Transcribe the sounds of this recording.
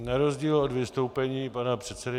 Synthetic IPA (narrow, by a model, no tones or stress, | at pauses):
naɾo̞zɟiːlo̞dvɪst̪o̞wpɛɲiːpanapr̝̥ɛt̪sɛdɪ